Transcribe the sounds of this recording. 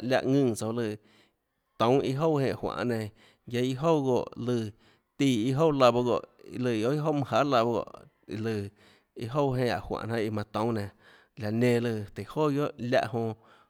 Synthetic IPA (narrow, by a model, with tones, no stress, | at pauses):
lʲa̰˧ʔŋɨ̃˧ŋt͡so˧˨lɨ˧˨ | t̪õ˨˦i˦ɦo˦˨hẽ˧˨ʔhwã̰˧˨ʔnẽ˧ | ja˧ji˦ɦo˦wɡo̰˧˨ʔlɨ˧˨ | t̪iː˧˨i˦ɦo˦˨la˧bo˧ɣo̰˧˨ʔḭ˧lɨ˧˨o˦i˦ɦo˦mɨ̃˧ɦa˨˦la˧bo˧ɡo̰˧˨ʔ | ḭ˧lɨ˧˨ | i˧ɦo˦˧wɦẽ˧a̰˨hwã̰˧˨ʔnã˧i˧mã˧t̪õ˨˦wnẽ˨ | la˨nẽ˧˨lɨ˧˨t̪e˨ho˦˨jo˦ʔlʲa̰˧ʔhõ˧